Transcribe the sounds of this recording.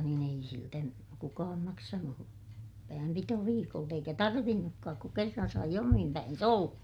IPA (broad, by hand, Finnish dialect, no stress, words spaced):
niːn ei siltæ kukɑːm mɑksɑnu pæːmpitoʋiːkolt eikæ tɑrʋinːukːɑːk ku kerːɑn sɑi omim pæins olːɑ